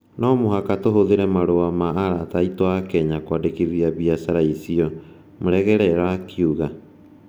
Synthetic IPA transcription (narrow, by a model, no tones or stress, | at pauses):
nɔmoɦakatoɦoðeɾɛmaɾoamaːɾataitoakɛɲakwadekiðiaβiasaɾaisiɔ | moɾɛɣɛɾɛɾakiuɣa